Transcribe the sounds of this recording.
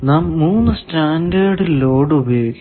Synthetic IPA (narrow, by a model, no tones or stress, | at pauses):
naːmːuːnːɨsʈaːndɐːɾɖiloːɽɨubɐjoːɡikʲːu